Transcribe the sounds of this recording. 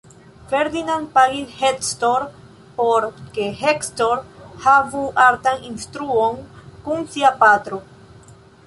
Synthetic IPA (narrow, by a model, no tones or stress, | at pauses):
feɾd̪inãnd̪̚paɣilhet̪st̪oɾ | poɾkehekst̪oɾhavuʔaɾt̪aŋinst̪ɾuoŋkuŋsiapat̪ɾo